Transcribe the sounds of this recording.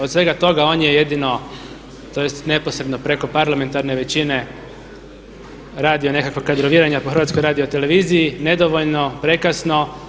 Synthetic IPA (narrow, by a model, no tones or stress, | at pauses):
osʋe̞ɡat̪o̞ɡao̞ːnjeje̞d̪ino̞ | t̪o̞je̞st̪ne̞po̞sɾe̞d̪nopɾe̞ko̞paɾlame̞nt̪aɾne̞ʋe̞t͡ɕine̞ | ɾaːd̪ijone̞kakʋakad̪ɾo̞ʋiɾaɲapoxɾ̩ʋat̪skojɾaːd̪iot̪e̞le̞ʋiːzijine̞d̪oʋo̞ʎno̞pɾe̞kasno̞